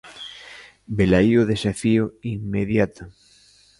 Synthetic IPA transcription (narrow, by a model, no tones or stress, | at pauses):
belajoðesafioiŋmeðjat̪o